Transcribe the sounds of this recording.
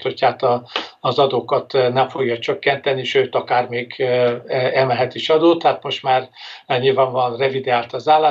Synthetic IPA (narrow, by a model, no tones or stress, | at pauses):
t̪hochaːt̪ɒːzɒd̪oːkɒt̪nɛɱfo̞ɡjɒt͡ʃøkːɛnt̪ɛniʃøːt̪ɒkaːrmeːɡ | ɛlmɛlɦɛt̪iʃɒd̪oːt̪ːhaːt̪mo̞ʃt̪maːrɛɲilvaːɱvɒnrɛvid̪ɛaːlt̪ɒzaːlːaː